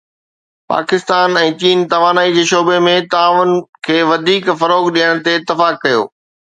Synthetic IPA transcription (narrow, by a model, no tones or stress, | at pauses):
pa̰ːkɪst̪aːnɛ̃ːt͡ɕiːnt̪ɐʋaːnaːid͡ʑeːʃoːbemẽt̪aːʋʊn̆kʰeːʋɐd̪ʱiːkfɐɾoːɡɗijəɽ̃t̪eɪt̪ːɪfaːkːɐjo̰ː